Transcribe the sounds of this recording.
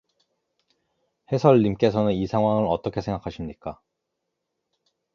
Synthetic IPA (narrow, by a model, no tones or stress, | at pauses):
he̞sʰʌɭːimk͈e̞sʰʌnɯnisʰaŋɦwaŋɯɾʌt͈ʌkʰe̞sʰe̞ŋɡakʰaɕʰimɲik͈a